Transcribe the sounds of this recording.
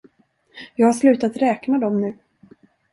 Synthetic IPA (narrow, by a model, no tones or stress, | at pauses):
jɑːɡhaʂlʉ̟ːt̪at̪ɾɛːknad̪ɔmnʉ̟ː